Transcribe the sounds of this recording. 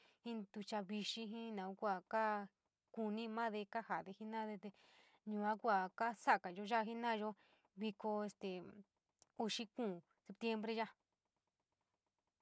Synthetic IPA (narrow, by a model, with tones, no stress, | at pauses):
hĩ˦d̪u˧t͡ʃa˧βi˧ʃĩ˧ɦĩ˦nã˨u˦kʷa˧˨ka˦ | ku˧nĩ˦˧mã˦ðe˧ka˦ha˨ðe˧hi˦nã˦ðe˧t̪e˧ | ɲũː˨ã˦kʷa˨ka˦sa˦˨ka˨ʒo˧˦ʒa˦˧ɦi˦nã˦˧ʒo˦ | βi˧ko˧e˧st̪e˨ | u˧ʃi˦kũː˦˨ | se˧pt̪je˦mbɾe˦˧ʒa˦